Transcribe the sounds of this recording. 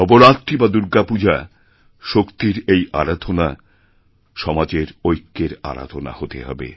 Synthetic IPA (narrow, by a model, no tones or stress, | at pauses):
ɔboɾat̪ɾibad̪uɾɡapud͡ʑʱa | ʃokt̪iɾejʔa̰ɾad̪ʱona | ʃɔmad͡ʑeɾojkːeɾa̰ɾa̰d̪ʱona̰hot̪eɦɔ̰bḛ